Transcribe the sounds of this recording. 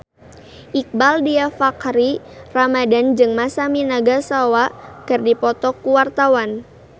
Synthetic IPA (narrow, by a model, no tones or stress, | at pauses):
ʔik̚baldiafakɾiramadand͡ʒɨŋmasaminaɡasawakɨrdipɔt̪ɔkːuwart̪awan